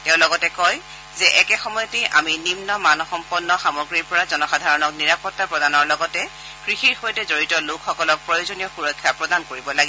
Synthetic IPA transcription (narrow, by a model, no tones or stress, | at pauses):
tɛ̃ʊ̃lɔɡɔtɛkɔj | zɛʔɛkɛxɔmɔjɔtiʔa̰minimnɔmanɔxɔmpɔnːɔxamɔɡɹiɹpɔɹazɔnɔxadʱaɹɔnɔkniɹapɔtːapɹɔdanɔɹlɔɡɔtɛ | kɹixiɹxojtɛzoɹitɔlokʰxɔkɔlɔk̚pɹɔjozonijɔxuɹɔkʰːjapɹɔdankoɹibɔlaɡi